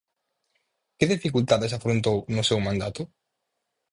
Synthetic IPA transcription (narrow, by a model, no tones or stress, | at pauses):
kɪðifikult̪aðes̬afɾont̪ownʊsɛwmãnd̪at̪ʊ